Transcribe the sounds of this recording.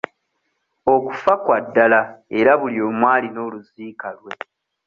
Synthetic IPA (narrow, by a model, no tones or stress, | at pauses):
o̞ku̥fakwadːalae̞ɾaβuljo̞ːmwaːlino̞ːluziːkalwe̞